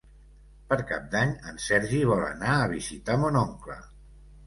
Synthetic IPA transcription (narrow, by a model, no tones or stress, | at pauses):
pəɾkap̚d̪aɲənsɛɾʒiβɔlə̰naəβizit̪amonoŋklə̰